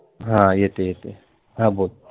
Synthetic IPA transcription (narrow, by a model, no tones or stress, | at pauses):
ɦãjet̪ejet̪e | ɦãboːt̪̚